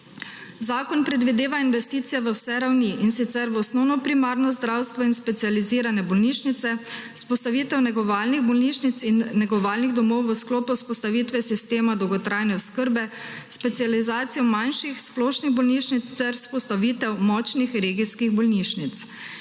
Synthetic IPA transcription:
zaːkɔnpɾɛd̪ʋid̪eːʋainʋɛst̪iːt̪sijɛʋəwsɛɾawniʔinsit̪sɛɾʋɔsnɔwnɔpɾimaːɾnɔzd̪ɾawst̪ʋɔinspɛt̪sializiːɾanɛbɔlniʃnit̪sɛspɔst̪aʋit̪ɛwnɛɡɔʋaːlniɣbɔlniʃnit̪sinːɛɡɔʋaːlniɣd̪ɔmɔwʋəsklɔːpuspɔst̪aʋiːt̪ʋɛsist̪eːmad̪ɔwɡɔt̪ɾʔajnɛʊskəɾbɛ | spɛt̪sializaːt̪sijɔmanʃixsplɔːʃniɣbɔlniʃnit̪st̪ɛɾspɔst̪aʋit̪ɛwmɔt͡ʃnixɾeːɡiskiɣbɔlniʃnit̪s

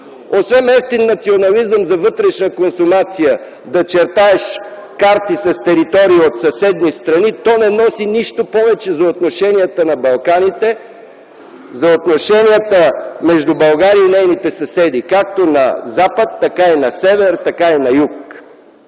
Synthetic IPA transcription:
osvɛnɛft̪inːɐt̪sionɐlizəmzɐvɤt̪ɾɛʃnəkonsumat̪sijə | d̪ɐt͡ʃɛɾt̪aɛʃ | kaɾt̪isɐst̪ɛɾit̪ɔɾiiot̪sɐsɛd̪nist̪ɾɐnit̪ɔnɛnɔsiniʃt̪opɔvɛt͡ʃɛzɐot̪noʃɛniət̪ənɐbɐlˠkanit̪ɛ | zɐot̪noʃɛniət̪əmɛʒd̪ubɐlˠɡaɾiəinɛjnit̪ɛsɐsɛd̪ikak̚t̪onɐ̰zapət̪ːɐkainɐsɛvɛɾt̪ɐkainɐjuk̚

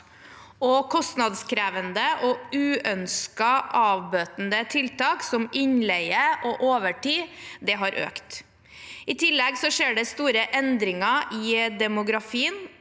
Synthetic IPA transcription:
ɔkʰɔst̪nɑd̪skʰɾæːʋənd̪əʔɔʉːœnskəʔɑːʋbøːt̪n̩d̪ət̪ʰɪlt̪ɑːksɔmɪɲlɛɪəʔɔʔoːʋəʈiːd̪ɛɦɑɾʔø̰ːkt̪ | ɪt̪ʰɪlːɛɡsɔʂeːɖɛst̪uːɾəʔɛnd̪ɾɪŋɑʔiːd̪ɛmʊɡɾɑfiːən

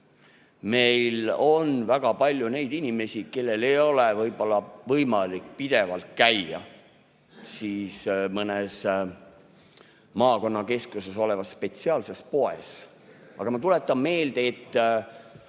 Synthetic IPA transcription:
me̞jlo̞nvæɡ̥ɑpɑlʲjune̞jd̪inʲime̞sʲike̞lːe̞le̞jo̞levɤjb̥o̞lːɑvɤjmɑlikːˑpid̪̥e̞vɑlt̪̚kæjɑ̰ | siːsmɤnes | mɑːko̞nːɑke̞skuse̞so̞le̞vɑsːpe̞t̪siɑːlse̞spo̞e̞̰s | ʔɑ̰ɡ̥ɑmɑt̪ule̞t̪ːˑɑmːe̞ːld̪̥eːt̪ː

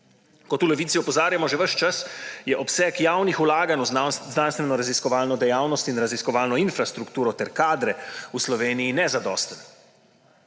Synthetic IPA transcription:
kɔt̪ulɛʋiːt̪siɔpɔzaːɾjamɔʒɛʋəʃt͡ʃasjɛʔɔpsɛːkjawnixulaːɡanuznaːnst̪ʋɛnɔɾaziskɔʋaːlnɔd̪ɛjaːwnɔst̪inɾaziskɔʋaːlnɔinfɾast̪ɾukt̪uːɾɔt̪ɛɾkaːd̪ɾɛuslɔʋeːnijinɛzad̪ɔ̰ːst̪ən

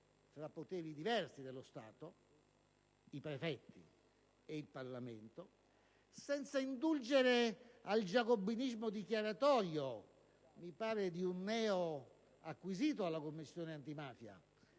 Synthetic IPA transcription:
fɾapːot̪ɛːɾid̪ivɛrsid̪elːost̪aːt̪o | ipɾefɛt̪ːi | eilparlament̪o | sɛnt̪saind̪uld͡ʒeɾeald͡ʒakobːinizmod̪ikjaɾat̪ɔːɾjo | mipaːɾed̪iunːɛːo | akːwiziːt̪̬oalːakomːisːjoːneant̪imaːfja̰

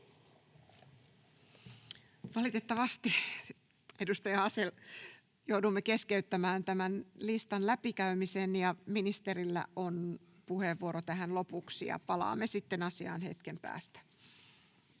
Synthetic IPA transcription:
ʋɑlit̪et̪ːɑʋɑst̪i | edust̪ɑjɑɑsel | jowdumːeke̞skeyt̪ːæmæːnt̪æmænlist̪ɑnlæpikæymisenjɑminist̪eɾilːæ̰on | puheʋːuoɾot̪æɦænlo̞puksijɑ̰pɑlɑ̰ːmːesit̪ːenɑsiɑ̰ːnhe̞̰t̪kempæ̰ːst̪æ̥

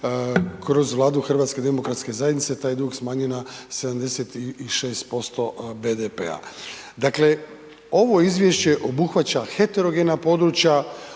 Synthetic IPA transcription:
kɾo̞zʋlˠaːd̪uxr̩ʋaːt̪ske̞d̪e̞mo̞kɾat̪ske̞zajed̪nit̪set̪aːjd̪uːɡsmaːɲunase̞d̪amd̪e̞set̪iiʃe̞ːst̪̚po̞st̪o̞be̞d̪epḛa̰ | d̪akle̞ | o̞ʋo̞izʋje̞ʃt͡ɕe̞ʔo̞buxʋat͡ɕaxe̞t̪eɾo̞ɡe̞napo̞d̪ɾut͡ɕja

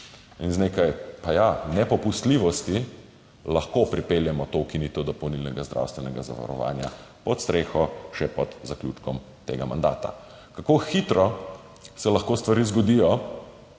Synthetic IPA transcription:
inzneːkajpajanɛpɔpust̪liːʋɔst̪i | laxkopɾipeljɛmɔt̪owkinit̪ɔd̪ɔpɔwnilnɛɡazd̪ɾʔa̰wst̪ʋɛnɛɡaza̰ʋa̰ɾɔ̰ʋa̰ːnja̰pɔt̪st̪ɾʔeːxɔʃɛpɔd̪zaklʲuːt͡ʃkɔm | t̪eːɡama̰nd̪a̰ːt̪a̰ | kakoxit̪ɾɔ | sɛlɐxkoːst̪ʋaɾiːzɡɔd̪ijɔ

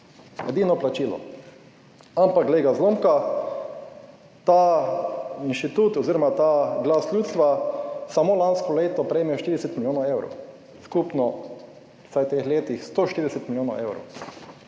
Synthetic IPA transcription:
jɛ̰d̪iːnɔplat͡ʃiːlɔ̰ | ampakleːɡazlomka | t̪a | inʃt̪it̪uːt̪ɔziɾɔmat̪aɡlasljuːt̪st̪ʋasamolanskɔleːt̪ɔpɾɛemɛʃt̪iɾid̪ɛsɛt̪miljoːnaewɾo̰ | skupnɔ | sajt̪eːxleːt̪ixst̪oʃt̪iɾid̪ɛsɛt̪milʲjoːna̰ʔewɾo̰w

